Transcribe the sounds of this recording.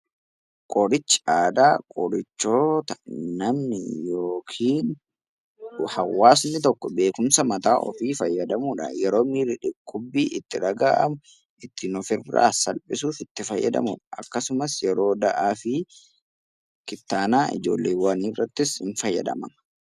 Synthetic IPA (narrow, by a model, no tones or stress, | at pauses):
kʼɔɾɪt͡ʃːaːd̪aːkʼɔɾɪt͡ʃːoːt̪ɐ̥nɐmnɪjoːkʰiːn | hɐwːaːsnɪt̪ɔkːɔbe̞ːkʊmsɐmɐt̪aːʔɔ̰fiːfɐjːɐd̪ɐmuᶑɐ̰jɛɾo̞ːmiːɾɪᶑɪkːʊbːiːʔɪt̪ːɪᶑɐɡaːʔɐ̰mʊ | ʔɪt̪ːɪnɔfɪra̰ːsɐlpʼɪsuːfɪt̪ːɪfɐjːɐ̰d̪ɐ̰mʊᶑɐ̥ɐ̰kːɐsʊmɐsjɛɾo̞ːd̪ɐʔaːfɪ | kɪt̪ːaːnaːʔɪ̰d͡ʒo̞̰ːlːeːwɐniːrːɐt̪ːɪsɪnfɐjːɐ̰d̪ɐ̰mɐ̰mɐ